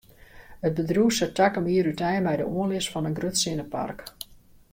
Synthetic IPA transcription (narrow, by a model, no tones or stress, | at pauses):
ət̚bədruːsətakəmiəɾytɛjmɛjdəuənlɪsfɔnənɡrøtsɪnəpa̰rk